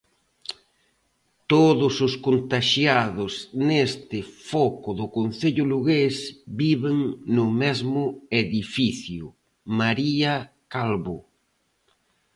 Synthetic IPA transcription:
t̪oðʊsʊskont̪aʃjaðʊsnest̪ɪfɔkʊðʊkonθeʎʊluɣesbiβeŋnʊmezmʊeðifiθjʊ | maɾia | kalβʊ

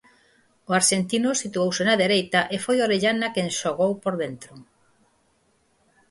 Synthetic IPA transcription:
ʊaɾʃent̪inʊsit̪uowsɪnaðeɾejt̪aʔefojoɾeʎanakenʃoɣowpoɾðent̪ɾʊ

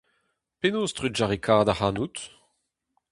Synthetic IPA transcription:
penost̪ʁyʒaʁekʰaːʁd̪ahaːnut̪

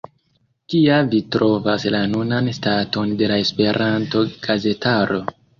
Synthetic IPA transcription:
kiavitɾo̞vaslanunanstato̞nde̞lae̞spe̞ɾʔanto̞ɡ̥aze̞taɾo̞

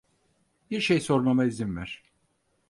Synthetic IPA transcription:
b̥iɾʃejso̞ɾmamaizinvæɾ̥

